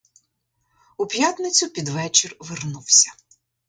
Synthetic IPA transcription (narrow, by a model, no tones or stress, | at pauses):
ʊpʲjat̪nɪt͡sʲʊpʲid̪ʋɛt͡ʃɪrʋɪrnuwsʲɐ̥